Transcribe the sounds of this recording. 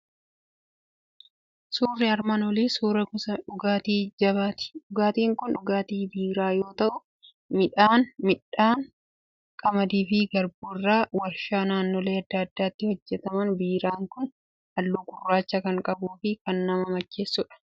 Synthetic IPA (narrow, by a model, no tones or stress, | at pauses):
suːrːɪɐɾmaːnɔliːsuːɾɐkʊsɐᶑʊɡaːt̪iːd͡ʒɐβat̪ᶑʊɡaːt̪iːŋkʊnʊɡaːt̪iːbiːɾaːjo̞ːt̪ɐʔʊ | mɪᶑaːnmɪᶑaːŋ | kʼɐmɐd̪iːfɪɡɐɾbuːrːaːwɐɾʃaːnaːnːoːle̞ːɐd̪ːaːɐd̪ːaːt̪ːɪhɔd͡ʒːɛt̪ɐmɐnbiːɾaːŋkʊn | ɐlːuːkʊrːaːt͡ʃːɐkɐŋkʼɐbuːfɪkɐnːɐmɐmɐt͡ʃːeːsːʊᶑɐ̥